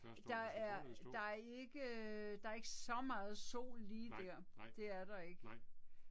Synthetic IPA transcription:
d̥ɑ̈æɐd̥ɑ̈æɐe̝ɡ̥əd̥ɑ̈ːɐe̝ɡ̥əsɒ̽mɑ̈ːð̞̩ˠso̝̰ːlːiːd̥æɐ̰d̥e̝æɐɾ̥ɑ̈e̝ɡ̥ə

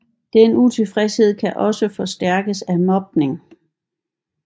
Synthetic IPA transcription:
d̥enut͡sʰe̝fʁɛshe̝ð̞̰ˠkʰæʔɒ̽səfɒ̽sd̥æɐ̰ɡ̥əsæmɒ̽b̥ne̝ŋ

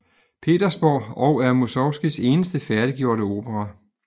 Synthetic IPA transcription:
pʰe̝̰ːd̥ɐsb̥ɒ̰ːɒ̽ʊæɐmosɒʊsɡ̥ise̝ːnəsd̥əfæɐɾ̥iɡ̥jo̝ɐ̰ɾəo̝ːb̥əʁɑ

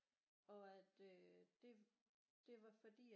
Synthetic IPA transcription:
ɒ̽æd̥ød̥e̝ | d̥e̝ʋɑ̈fɒ̽d̥ḭː

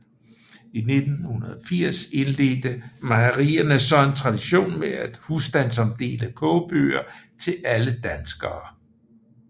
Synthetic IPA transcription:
ine̝d̥n̩hunɐðˠɒfiɐ̰se̝nle̝ːd̥əmɑʁiːɐnəsɒ̽e̝nt͡sʰʁɑ̈d̥iɕo̝̰ːnmeæd̥husd̥æns̬ɒ̽md̥e̝̰ːləkʰɔʊb̥ø̰ːɐt͡sʰe̝læləd̥ænsɡ̥ɐː

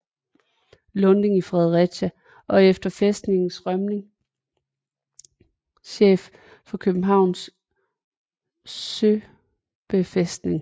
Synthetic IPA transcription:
lɔ̽ne̝ŋifʁɛð̞ˠʁɛ̥ɕæ | ʔɒ̽efd̥ɐfesd̥ne̝ŋn̩sʁɶmne̝ŋ | ɕḛːf | fɒ̽kʰøb̥n̩ɦɑ̈ʊ̰ns | ø | b̥efesd̥ne̝ŋ

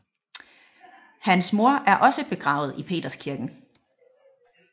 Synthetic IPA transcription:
hænsmo̝ɐʔæɐʔɒ̽səb̥e̝ɡ̥ʁɑ̈ːʊð̞̩ˠipʰe̝̰ːd̥ɐskʰiɐɡ̥n̩

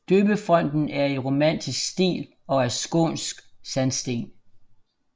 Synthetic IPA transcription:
d̥øːb̥əfʁɒ̽n̰d̥n̩æɐiʁo̝mæn̰d̥ʰisɡ̥sd̥ḭːl | ɒ̽æɐsɡ̥o̝̰ːnsɡ̥sænsd̥e̝̰ːn

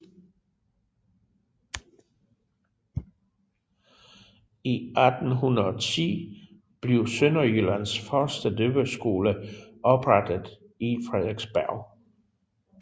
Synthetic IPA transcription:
iʔæd̥n̩ɦunɐð̩ˠɒt͡sʰḭː | b̥le̝ʊsønɐjylænsfɶɐsd̥ədøb̥əsɡ̥o̝ːləʔɒ̽b̥ʁad̥ð̩ˠ | ifʁeð̰ˠeɡ̥sb̥æɐʊ

